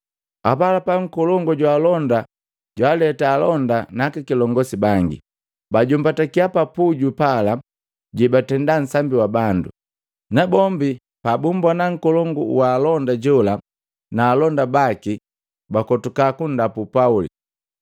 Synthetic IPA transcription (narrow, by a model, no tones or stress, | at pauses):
apalapaŋ̩kɔlɔŋɡɔɟwaːlɔnda | ɟwaːlɛtaːlɔndanakikilɔŋɡɔsibaŋɡḭ | baɟumbatakiapapuɟupala | ɟibatɛndan̩sambiwabandṵ | nabɔmbi | pabumbwanaŋ̩kɔlɔŋɡɔ̰waːlɔndaɟɔla | naːlɔndabaki | bakɔtukakundapupaulḭ